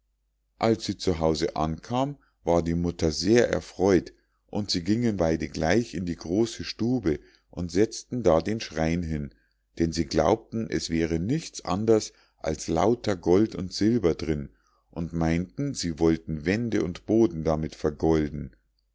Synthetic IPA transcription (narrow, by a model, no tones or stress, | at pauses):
ʔalsz̥iːt͡suɦaʊzəʔa̰nkʰaːm | vaːɐdiːmʊtɐzeːɐʔɛ̰ɐfʁ̥ɔʏt | ʔʊntz̥iːɡɪŋənbaɪdəɡlaɪçɪndiːɡʁoːsəʃtuːbə | ʔʊntz̥ɛt͡stn̩daːdeːnʃʁ̥aɪnɦɪn | d̥ɛnziːɡla̰ʊp̚tn̩ʔɛsv̥ɛːʁ̞ənɪçt͡sʔa̰ndɐs | ʔa̰lsla̰ʊtɐɡɔltʊntz̥ɪlbɐdʁɪn | ʔʊntmaɪntn̩ziːvɔltn̩vɛndəʊntb̥oːdn̩damɪtfɛɐɡɔldn̩